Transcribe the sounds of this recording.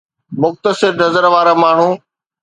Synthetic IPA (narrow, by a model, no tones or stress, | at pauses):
mʊxt̪əsɪɾnɐzəɾʋaːɾamaːɳ̤uː